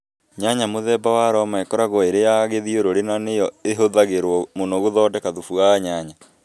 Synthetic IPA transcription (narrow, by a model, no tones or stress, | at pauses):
ɲaɲamoðɛbawaɾɔmaekɔɾaɣɔeɾejaɣeðioɾoɾenanejɔeɦoðaɣeɾwɔmonoɣoðɔːdɛkaðufuaɲaɲa